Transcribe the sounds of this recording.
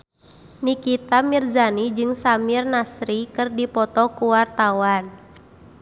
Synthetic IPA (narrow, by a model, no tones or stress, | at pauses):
nikit̪amird͡ʒanid͡ʒɨŋsamirnasɾikɨrdipɔt̪ɔkuwart̪awan